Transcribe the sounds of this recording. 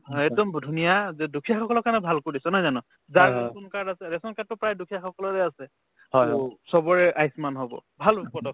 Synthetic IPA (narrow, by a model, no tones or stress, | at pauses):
ɦɔɛk̚dɔmbdʱunijazɛdukʰijaxɔkɔlɔkanɛbʱalkoɹisɔnajzanɔ | zakunkadasɛɹɛsɔnkat̚ːɔpɹajdukʰijaxɔkɔlɔtɛasɛ | sɔbɔɹɛʔajsmanɦɔbɔ̰bʱalupɔtɔk̚